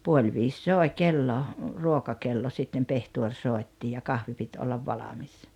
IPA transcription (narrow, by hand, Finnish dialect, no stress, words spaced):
puol ʋiːs soˑe kelːo ruokɑkelːo sitːem pehtuor soˑi̞tːi jɑ kɑhʋi pit olːɑʋ ʋɑlɑmis